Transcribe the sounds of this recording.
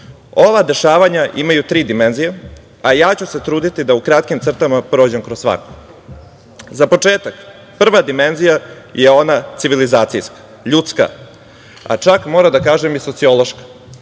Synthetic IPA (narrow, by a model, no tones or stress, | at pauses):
o̞ʋad̪e̞ʃaːʋaɲaʔimajut̪ɾiːd̪imenzije | ajaːt͡ɕuse̞t̪ɾuːd̪it̪id̪aukɾat̪kimt̪sr̩t̪amapɾo̞ːd͡ʑemkɾosːʋa̰ko | zapo̞t͡ʂeːt̪ak | pr̩ʋad̪ime̞nzija | jʔeo̞nat̪siʋilizaːt̪sijskḁ | ʎut̪ska̰ | a̰t͡ʃakmo̞ːɾad̪akaːʒemjiso̞t̪sio̞lo̞ʃkḁ